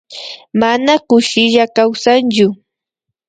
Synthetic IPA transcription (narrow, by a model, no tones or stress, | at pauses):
manakʊʃɪʎakawsant͡ʃʊ